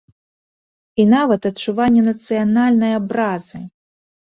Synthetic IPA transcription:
inavɐt̪ɐt͡ʂːuvanʲːɛnɐt̪sɨjanalʲnɐjɐbɾazɨ

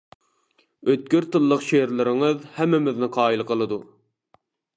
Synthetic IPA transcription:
øt̪̚kʲøɾt̪ɨlˠːəqʃeɾlˠɪɾɪŋɨðhæmːɪmɪznɪqʰɑːilˠqʰəlˠɨd̪u

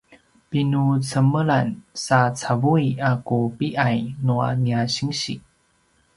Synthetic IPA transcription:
pinut͡səməlansat͡savujakupiʔajnua̰niaɕiŋɕḭ

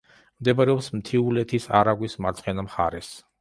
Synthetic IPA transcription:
md̪ɛbaɾɛɔpsmt̪ʰiulɛt̪ʰisaɾaɡwismat̪sʰχɛnamχa̰ɾɛs

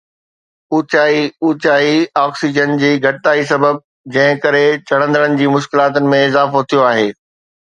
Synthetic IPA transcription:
ut͡ɕaːiuːt͡ɕaːiɔːksid͡ʑənd͡ʑiːɡʱɐʈɪt̪aːis̬ɐbəb̚ | d͡ʑɐ̃ɦɪ̃kɐɾet͡ɕɐɽ̤̃ə̃nd̪əɽənɪ̆d͡ʑiːmʊʃkɪlaːt̪ənɪ̆mẽɪzaːfot̪ʰijoaːɦeː

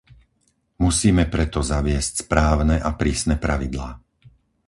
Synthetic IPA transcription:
musiːmɛpɾɛt̪ɔzaʋɪɛscspɾaːʊnɛʔapɾiːsnɛpɾaʋid̪laː

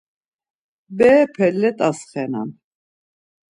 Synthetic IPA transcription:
bɛːpʰɛlːɛt̪ʼasχɛna̰n

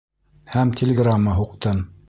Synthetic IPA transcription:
hæmt̪ʲʰɪlʲɪɡramːəɦuqt̪ɤm

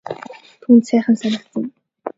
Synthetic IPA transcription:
t̪ʰuːnt̪sæːχə̆nsanə̆kt͡sə̆m

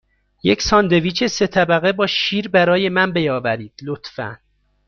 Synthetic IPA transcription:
jecʰsɒːnd̪e̞viːt͡ʃʰese̞t̪ʰæbæɣe̞bɒːʃiːɾbæɾɒːje̞mænbe̞jɒːvæɾiːd̪̥lot̪fæ̰n

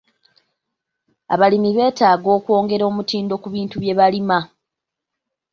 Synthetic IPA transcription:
a̰βalimiβe̞ːtaːɡo̞ːkwo̞ːŋɡe̞ɾo̞ːmutiːndo̞kuβiːntuβje̞βalima

